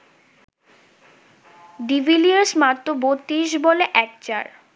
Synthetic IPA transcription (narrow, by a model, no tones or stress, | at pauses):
ɖibiliesmat̪ːobot̪ːiʃboleʔɛk̚t͡ɕa̰ɾ